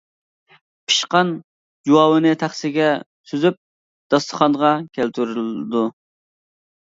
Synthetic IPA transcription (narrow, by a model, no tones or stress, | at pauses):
pʰi̥ʃqɑn | d͡ʒuwɑːwɨnɨt̪ʰæχsɪɡʲɛ | syzyp̚ | d̪̥ɑst̪ə̥χɑnʁɑkʲʰælt̪ʰyɾyld̪u